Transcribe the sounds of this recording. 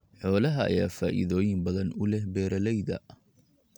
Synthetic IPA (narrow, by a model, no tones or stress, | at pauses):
ħɔːlɐɦɐ̰ːjaːfa̰ːʔɪ̰ðɔːjɪmbɐðɐnʊlɛhbɛːɾɐlɛjðɐ̰